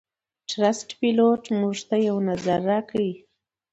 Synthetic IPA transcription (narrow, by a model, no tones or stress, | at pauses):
ʈɾasʈpiloʈmuʐt̪ajawnazaɾːɑkawi